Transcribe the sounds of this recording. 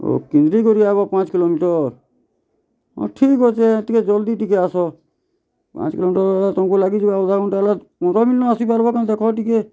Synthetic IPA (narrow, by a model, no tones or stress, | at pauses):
o̰kĩnd̪ɾikɔɾiabɔpãt͡ʃkilomiʈɔɾ | ɔ̰̃ʈʰikɦot͡ʃʰeet̪iked͡ʒɔld̪iʈikeasɔ | pã̰t͡ʃkilomiʈɔɾat̪ɔkulaɡid͡ʒibaɔd̪ʱaɾɔɳʈala | ɔ̃ɾɔmilnɔasipaɾbɔkãnd̪ekʰɔʈike